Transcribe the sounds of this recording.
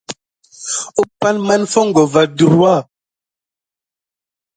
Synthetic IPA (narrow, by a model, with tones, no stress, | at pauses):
u˦pa˦nma˦nfɔ˦ŋ̩˨ɡɔ˨va˨du˨ɾa˦˨